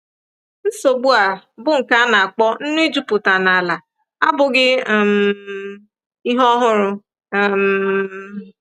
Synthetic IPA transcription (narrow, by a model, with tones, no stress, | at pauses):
n̩˦so˨ɡ͡bu˦a˨bʊ˦ŋ̩˨ka˦na˨a˨k͡pɔ˦n̩˦nʊ˦i˦d͡ʒu˦pʊ˨ta˨na˨la˨ | a̰˦bʊ˨ɡɪ˦˨m | i˦ɦɔ˦ɦʊ˦ɾʊ˨ | m